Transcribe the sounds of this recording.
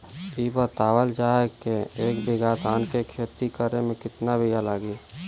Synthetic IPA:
iːbət̪aːwəld͡ʒaːkeeːkbɪɡaːt̪aːnkekʰeːt̪ikəɾemẽkɪt̪nabʱijalaːɡiː

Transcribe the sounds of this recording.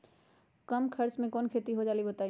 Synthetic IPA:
kɐmkʰɐɾt͡ʃmẽkɔːnkʰeːt̪iɦod͡ʒaːlibɐt̪aːi

